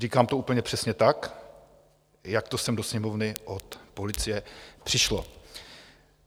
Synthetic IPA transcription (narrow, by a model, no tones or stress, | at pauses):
riːkaːmt̪ouːpl̩ɲɛpr̝̥ɛsɲɛt̪ak | jakt̪osɛmdo̞sɲɛmovnɪʔot̪po̞lɪt͡sɪjɛpr̥ɪʃlo